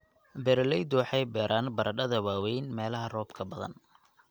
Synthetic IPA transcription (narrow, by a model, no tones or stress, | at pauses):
bɛɾlɛjd̪ʊwɑħɑjbɛːɾʔaːnbɐɾɐɖɐðɐwaːwɛjnmɛːlɐɦɐrɔːbkʰɐbɐðɐ̰n